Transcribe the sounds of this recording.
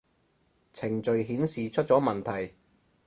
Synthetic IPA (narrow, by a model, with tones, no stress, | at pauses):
t͡sʰɪ˨˩ŋt͡ʃɵ˨ɥɦiː˨˥nsiː˨t͡ʃʰɵ˥t̚t͡sɔː˨˥mɐ˨˩nt̪ʰɐ˨˩j